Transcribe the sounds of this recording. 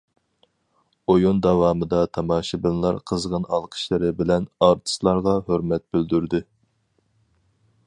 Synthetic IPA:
ojond̪ɑwɑːmɨd̪ɑt̪ʰɑmɑːʃibɪnlˠɑɾqʰəzʁɑnɑlˠqʰə̥ʃlɨɾɪbɪlɛnɑɾt̪ʰɨ̥slˠɑɾʁɑhøɾmɛt̪̚byld̪yɾd̪ɪ

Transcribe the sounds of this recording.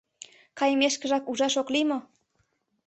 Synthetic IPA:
kɑjmeʃkəʒɑkuʒɑʃoklimo

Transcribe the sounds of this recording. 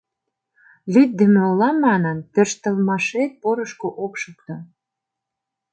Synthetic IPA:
lyt̪̚d̪emeolɑmːɑnənt̪ø̆rʃt̪ə̆lmɑʃet̪̚poɾəʃkoʔokʃukt̪o

